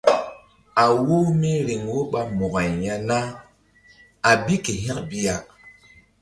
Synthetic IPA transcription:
a˨wo˦mi˦ɾi˨ŋwo˦ɓa˦mɔ˨ɣa˨jja˦na˦ | a˨bi˦ke˨ɦɛ˦kbi˦ja˨

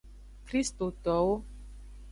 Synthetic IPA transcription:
kɾi˦st̪o˨t̪ɔ˨o˦

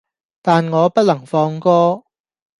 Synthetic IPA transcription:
t̪aː˨nŋɔː˨˧pɐ˥t̚lɐ˨˩ŋfɔː˧ŋkɔː˥

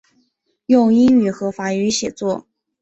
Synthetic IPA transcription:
jʊ˥˧ŋi˥ŋy˨˩xɤ˧˥fa˧˥y˧˥ɕjɛ˨˩t͡swɔ˥˩

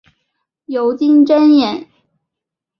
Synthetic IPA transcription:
jo˧˥ʊt͡ɕi˥ŋʈ͡ʂə˥njɛ˨˩˦n

